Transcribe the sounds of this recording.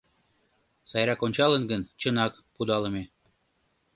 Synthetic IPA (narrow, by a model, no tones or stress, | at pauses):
sɑjɾɑkonʲt͡ɕɑlənɡənt͡ɕənɑk | pud̪ɑlə̆me